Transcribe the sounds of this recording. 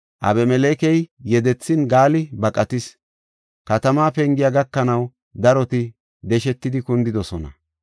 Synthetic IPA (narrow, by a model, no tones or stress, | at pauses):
ʔɐ̰bɛmɛleːkɛjːɛd̪ɛt͡sːɪnɡaːlɪbɐkʼɐt̪ɪs | kɐt̪ɐmaːpɛŋɡɪjaɡɐkːɐnɐw | d̪ɐɾɔt̪ɪ | d̪ɛʃɛt̪ːɪd̪ɪkʊnd̪ɪd̪ɔsɔnɐ̰